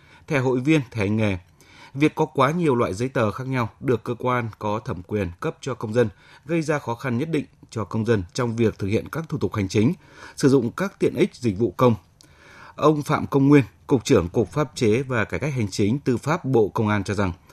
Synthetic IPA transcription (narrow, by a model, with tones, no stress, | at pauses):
t̪ʰɛ˧˩ɦo̰˧˨jvi˧ənt̪ʰɛ˨˧˩ŋe˨˩ | vi˨˩əkːɔ˨˦kwaː˨˦ɲi˨˩əwlwa̰ː˧˨jzə˨˦jt̪əː˨˩xaː˦˥k̚ɲa˧wɗɨ˨˩əkːəː˧kwaː˧nkɔ˨˦t̪ʰə˧˩mkwi˨˩ənkə˦˥p̚t͡ɕɔ˧kə˧wŋ͡mzə˧n | ɣə˧jzaː˧xɔ˨˦xa˧nɲə˦˥t̚ɗḭ̈˧˨ŋ̟t͡ɕɔ˧kə˧wŋ͡mzə˧nt͡ɕɔ˧wŋ͡mvi˨˩ək̚t̪ʰɨ˨˩k̚hḭ˧˨ənkaː˦˥k̚t̪ʰu˧˩t̪ʊ˨˩k̚ha˨˩jŋ̟t͡ɕï˨˦ŋ̟ | sɨ˧˩zʊ̰˧˨ŋ͡mkaː˦˥k̚t̪ḭ˧˨ənʔï˦˥k̟̚zï˨˩k̟̚vṵ˧˨kə˧wŋ͡m | ʔə˧wŋ͡mfa̰ː˧˨mkə˧wŋ͡mŋwi˧ənkʊ˨˩k͡p̚t͡ɕɨ˧˩əŋkʊ˨˩k͡p̚faː˦˥p̚t͡ɕe˨˦vaː˨˩kaː˧˩jka˦˥jk̚ha˨˩jŋ̟t͡ɕï˨˦ŋ̟t̪ɨ˨˧˩faː˦˥p̚ɓo̰˧˨kə˧wŋ͡mʔaː˧nt͡ɕɔ˧za˨˩ŋ